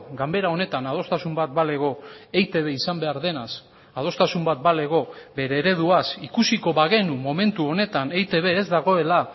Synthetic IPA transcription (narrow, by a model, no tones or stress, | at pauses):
ɡambe̞ɾao̞ne̞t̪anað̞o̞st̪asumbat̪̚bale̞ɣo̞ejt̪e̞βe̞isambe̞aɾðe̞nas | að̞o̞st̪asumbat̪̚bale̞ɣo̞be̞ɾe̞ːɾe̞ð̞uasikusiko̞βaɣe̞numo̞me̞nt̪uo̞ne̞t̪ane̞jt̪e̞β̞e̞ːzd̪aɣ̞o̞e̞la